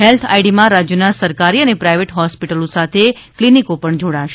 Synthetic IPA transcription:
ɦelt̪ʰa̰iɽimãɾad͡ʒjənasəɾkaɾiənepɾajʋeʈɦɔspiʈəlosat̪ʰe | klinikopəɳd͡ʒoɽaʃ

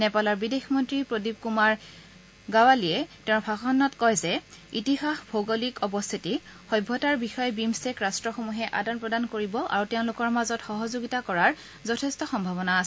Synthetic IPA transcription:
nɛpalɔɹbidexmɔntɹipɹodib̚kumaɹ | ɡawaliɛtɛʊ̃ɹpʰakɔnːɔtkɔjzɛitixaxbʱoɡolikɔbɔst̪ʰitixɔjbʱːɔtaɹbixɔjbimsɛkɹastɹɔxomuɦɛʔadanpɹɔdankoɹibɔʔa̰ɹutɛʊ̃lʊkɔɹmazɔtxɔɦɔzoɡitakɔɹaɹ | zɔtʰɛstɔxɔmbʱabɔnaːsɛ

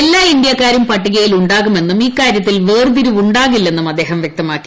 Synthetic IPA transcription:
elːaːind̪ijɐkːaːɾumpɐʈːiɣɐjiluɳɖaːɣume̞nːumiːkːaːɾjɐt̪ːilʋeːrd̪iɾuʋuɳɖaːɣilːe̞nːumɐd̪ːe̞ːɦɐmʋjɐk̚t̪ɐmaːkːi̥

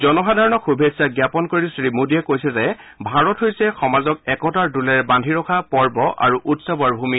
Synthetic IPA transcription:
zɔnɔxadʱaɹɔnɔxubʱesaɡjapɔnkoɹisɹimudiɛkojsɛzɛ | bʱaɹɔthojsɛxɔmazɔk̚ɛkɔtaɹdulɛɹbandʱiɹɔkʰapɔɹbɔʔa̰ɹuʔutsabɔaɹbʱumi

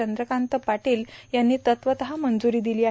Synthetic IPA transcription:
ənd̪ɾəkãnt̪əpaʈiːljanːiːt̪ət̪ʋət̪əɦamənd͡zuɾiːd̪iliːa

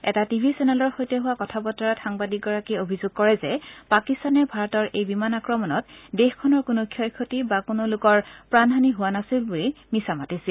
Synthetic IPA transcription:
ɛ̰tatibʱisɛnɛlɔɹxojtɔɦʊwakɔtʰabɔtːɔɹatxaŋbadik̚ɡɔɹakiobʱizʊɡ̚kɔɹɛzɛpakistanɛbʱaɹɔtɔɹejbimanakɹɔmɔnɔtdexkʰɔnɔɹkʊnokʰjɔjkʰotibakonolʊkɔɹpɹanɦaniɦʊwanasilbulimisamatisil

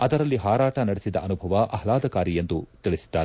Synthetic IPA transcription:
ɐd̪ɐɾɐlːiɦaːɾaːʈɐnɐɽesid̪ɐʔɐnubʱɐʋɐʔɐɐlaːd̪ɐkaːɾijend̪ut̪iɭisi̥d̪̥ːaːɾe

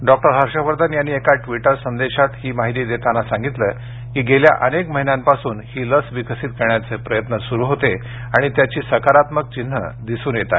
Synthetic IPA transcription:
ɖɔk̚ʈəɾɦaɾʂəʋəɾd̪anjanːiekaʈʋiʈəɾsənd̪eɕat̪hiːmaɦit̪iːd̪et̪anasãŋɡit̪lə | kiːɡelja̰ʔənekməɦinjãmpasuːnhiːləsʋikəsit̪̚keɾɳjat͡sepɾəjət̪nəsuɾuːɦot̪e | aɽ̃it̪jat͡ɕiːsəkaɾat̪mək̚t͡ɕin̤ːə̰d̪isuːnjet̪a̰

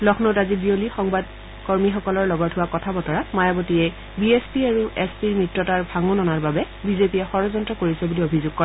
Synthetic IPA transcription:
lɔxʰnotazibiolixɔŋbad | kɔɹmixɔkɔlɔɹlɔɡɔɹtʰʊwakɔtʰabɔtɔɹamajabɔtiɛ | biespiaɹuʔɛspiɹmɹitɹɔtaɹbʱaŋonɔnaɹbabɛ | bizepijɛxɔɹɔzɔntɹɔkoɹisɛbuliobʱizʊɡ̚kɔɹɛ

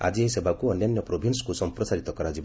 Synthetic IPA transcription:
a̰d͡ʒieisebakuɔnjanjɔpɾobʱinskusɔmpɾɔsaɾit̪ɔkɔɾad͡ʒib

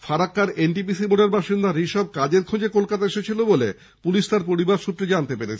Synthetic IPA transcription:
faɾakːaɾeɳʈipisiboɖeɾbʱaʃind̪aɾiʃɔb̚kad͡ʑeɾkʰod͡ʑekolkat̪aeʃet͡ɕʰilobolḛ | puliʃt̪aɾpoɾibaɾʃut̪ːɾed͡ʑant̪epeɾet͡ɕʰe

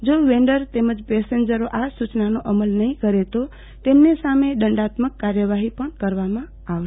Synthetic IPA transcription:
d͡ʒoʋeɳɖəɾt̪eməd͡ʒpɛseɲd͡ʒəɾoʔasut͡ʃnanoʔəməlnəɦĩkəɾet̪o | t̪emnesameɗəɳɖat̪məkːaɾjəʋaɦipəɳkəɾʋamã | aʋ

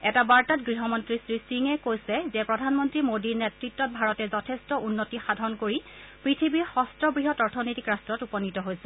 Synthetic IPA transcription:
ɛtabaɹtatɡɹiɦɔmɔntɹisɹisiŋɛkojsɛzɛpɹɔdʱanmɔntɹimodiɹnɛtɹitːɔt̚bʱaɹɔtɛzɔtʰɛstɔʔunːotixadʱɔnkoɹipɹitʰibiɹxɔstɹɔbɹiɦɔtɔɹtʰɔnojtikɹastɹɔtupɔnitɔɦojsɛ̥

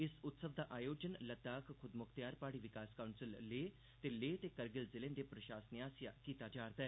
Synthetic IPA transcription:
ɪsʊt̪səʋd̪aːʔaːjoːd͡ʒənlɐd̪aːkkʰʊd̪mʊkʰt̪jaːɾpaːɽiʋɪkaːskaʊnsɪlleː | t̪eleːt̪ekɐɾɡɪlzɪlẽːnd̪epɾɐʃaːsənjaːsja̰kiːt̪ad͡ʒaːɾd̪aɛ

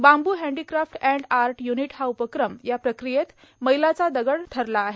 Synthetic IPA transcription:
bambuːɦɛ̃ɳɖikɾafʈæ̃ɳɖaɾʈjuniʈɦaupəkɾəmjapɾəkɾijet̪ | məjlat͡sad̪əɡəɳʈʰəɾlaːɦe

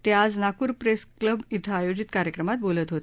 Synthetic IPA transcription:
t̪ead͡znakuːɾpɾeskləbit̪ʰaːjod͡ʑit̪kaɾjəkɾəmat̪̚bolət̪ɦot̪

